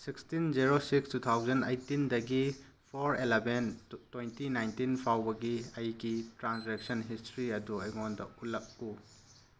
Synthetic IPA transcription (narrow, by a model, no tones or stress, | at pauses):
sikstind͡ʒiɾosikstut̪ʰawzɐnejtindɐɡi | pʰoɾelebentːwejntinajntinpʰawbɐɡiɐjɡitɾansɾek̚sɐnɦistɾiɐduɐjŋondɐ̰ulɐk̚ːu